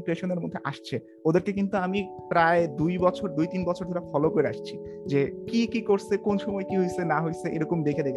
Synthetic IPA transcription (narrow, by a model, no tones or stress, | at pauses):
pɾeʃoneɾmod̪ʱːeʔa̰ʃt͡ɕʰe | od̪eɾkekint̪uamipɾaed̪ujbɔt͡ɕʰoɾd̪ujt̪inbɔt͡ɕʰoɾd̪ʱoɾafɔlokoɾea̰ʃt͡ɕʰid͡ʑekikikoɾsekonʃɔmɔekiɦojsenaɦojseʔeɾɔkomd̪ekʰed̪ekʰ